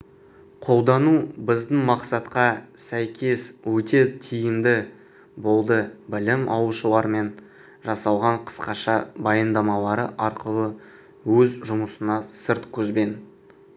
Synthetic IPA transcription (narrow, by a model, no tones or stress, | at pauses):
qʰo̞lˠd̪ɑnubɪzd̪ɪnmɑqsɑt̪qɑsæjkʲʰe̞swɵt̪e̞t̪ʰijɪmd̪ɪ | bo̞lˠd̪əbɪlɪmʔɑwəʃəlˠɑɾme̞n | ʒɑsɑlˠʁɑɴqʰə̥sqɑʃɑbɑjənd̪ɑmɑlˠɑɾəʔɑɾqəlˠə | wɵzʒʊməsənɑsəɾt̪kʲʰɵzbe̞n